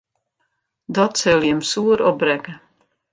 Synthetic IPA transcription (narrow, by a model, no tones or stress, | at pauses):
d̪ɔt͡sɛljɛmsuːɾɔbɾɛɡ